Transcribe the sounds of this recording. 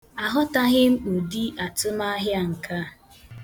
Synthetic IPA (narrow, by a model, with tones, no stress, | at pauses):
a˨ɦʊ˦ta˦ɣɪ˦m̩˦o˨di˦ʔa˨tʊ˦ma˦ɦja˦ŋ̩˨ka˦˨